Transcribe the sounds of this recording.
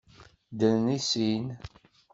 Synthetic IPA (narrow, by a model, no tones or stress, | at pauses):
d̪əlnisin